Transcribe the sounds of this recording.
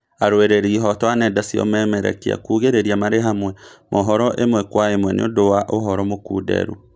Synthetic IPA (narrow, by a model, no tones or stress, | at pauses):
aɾoeɾeɾiɦɔtwanɛdasiɔ̰mɛːmɛɾɛ̰kea̰kuːɣeɾeɾiamaɾeɦamwɛmʔoɦɔɾɔʔemwɛkwaemwɛnḛo̰ndowaʔoɦɔɾɔmokṵːdɛ̰ɾṵ